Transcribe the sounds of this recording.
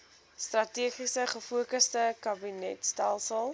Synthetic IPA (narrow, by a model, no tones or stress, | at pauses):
strɐtiəχisəχəfuəkəstəkɐbinɛtstælˠsəlˠ